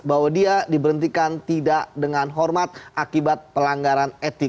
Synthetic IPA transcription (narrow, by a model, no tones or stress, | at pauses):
bawadiadibəɾənt̪ikant̪idaʔdəŋanɦɔrmat̪̚ʔakibat̪̚pəlaŋɡaɾanet̪ɪ